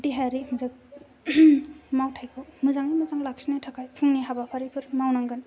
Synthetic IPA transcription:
diɦaɾimɯzak̚ | mawtʰajkʰɔmɯzaŋimɯzaŋlak̚sinajtʰakʰajpʰɯŋniɦabapʰaɾipʰɯɾmawnaŋɡɯn

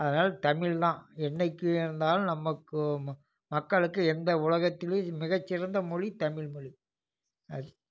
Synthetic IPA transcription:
ɐðɐnaːlɐt̪ɐmɪɭt̪ãːɛɳːɐɪkːɯɪɾɯnd̪aːlnɐmːɐkːɯ | mɐkːɐɭɯkːɯɛnd̪ɐʊɭɐɣɐt̪ːɪlemɪɣɐt͡ʃːɪɾɐnd̪ɐmɔɻit̪ɐmɪɭmɔɻi | ɐ

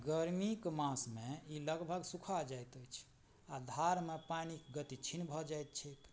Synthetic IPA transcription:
ɡəɾmikmãsmeiləɡbʱəɡsukʰad͡ʒajt̪əjt͡ʃʰ | ad̪ʱaɾmepanikɡət̪it͡ʃʰinbʱɔd͡ʒajt̪̚t͡ʃʰek̪

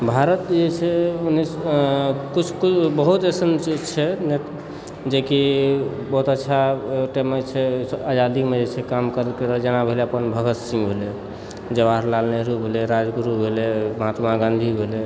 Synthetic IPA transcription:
bʱaɾət̪d͡ʒet͡ʃʰɛunis | kut͡ʃʰkubəɦut̪esənt͡ʃʰɛnet̪ | d͡ʒeki | bəɦut̪ətːʃʰaʈemet͡ʃʰɛəd͡ʒad̪ikmed͡ʒet͡ʃʰɛkamkəɾəlkeɾəd͡ʒenabʱeleəpənbʱəɡət̪sĩŋɡbʱele | d͡ʒəbaɾlalneɾubʱeleɾad͡ʒɡuɾubʱeleməɦat̪maɡãnd̪ʱibʱele

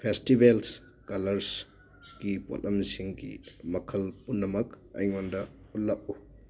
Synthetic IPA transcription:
pʰestibels | kɐlɐɾs | ɡ̥ipo̰lɐmsiŋɡḭmɐkʰɐlpunːɐmɐk | ɐ̰jŋondɐ | ullːɐk̚u

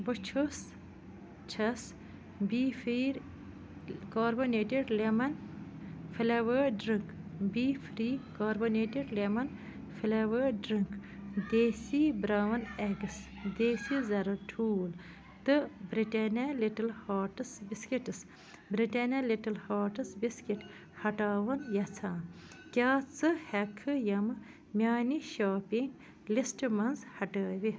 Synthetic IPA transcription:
bət͡ʃʰos | t͡ʃʰɐs | bifiːɾ | kaːɾboneːʈeɖlemɐn | filɐʋəɖɾiŋkbiːfɾiːkaːɾboneːʈiɖlemɐn | fʰilɐʋəɖɾiŋkd̪eːsibɾaːʋɐneɡɨs | d̪eːsizɐɾɐʈʰuːl | t̪ɨbɾiʈɐnʲaliʈɐlhaːʈɨsbiskiʈɨs | bɾiʈɐnʲɐliʈɐlhaːʈɨsbiskiʈ | hɐʈaːʋɐnjɐt͡sʰãːn | kʲaːt͡sɨhɐkʰːɨjɐm | mʲjaːniʃaːpiŋɡ | lisʈmɐnzhɐʈəːʋi

